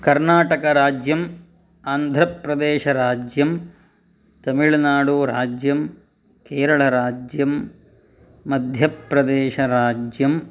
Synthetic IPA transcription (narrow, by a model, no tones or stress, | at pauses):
kɐɾnaːʈɐkɐɾaːd͡ʒjɐm | aːnd̪ʱɾɐpɾɐd̪eːʃɐɾaːd͡ʒjɐm | t̪ɐmiɭnaːɽuɾaːd͡ʒjɐm | keːɾɐɭɐɾaːd͡ʒjɐmː | ɐd̪ʱjɐpɾɐd̪eːʃɐɾaːd͡ʒjɐm